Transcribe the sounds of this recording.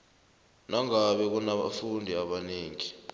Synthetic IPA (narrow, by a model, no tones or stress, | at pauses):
naŋaɓɛk̬unaɓa̰fundʱiaɓaneːŋi